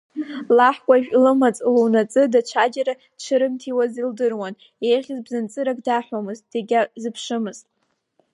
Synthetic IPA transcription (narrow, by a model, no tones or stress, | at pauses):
laħkʷʼaiʒᶣʲʼlɨmat͡sʼluwnat͡sʼɨdat͡ʃʷʰad͡ʒaɾḁ | t͡ʃʷʰɨɾɨmtʰiwazildɨrwan | ejʁʲɪzbzɨnt͡sʼɨɾaɡ̚ʼdaħʷamɨzt̚ʼdeɡʲazɨpʰʂɨmɨztʼ